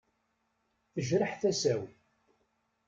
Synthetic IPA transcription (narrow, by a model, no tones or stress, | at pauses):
θəʒɾəħθæsæw